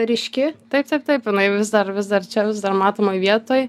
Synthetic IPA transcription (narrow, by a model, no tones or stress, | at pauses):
ɾʲɪʃʲkʲɪt̪ɐɪp̚t̪ɐɪp̚t̪ɐɪpjɪnɐɪʋʲɪzd̪ɐɾʋʲɪsd̪ɐrt͡ʃʲɛʋʲɪzd̪ɐrmɑːt̪oːmojʋʲiɛt̪oːj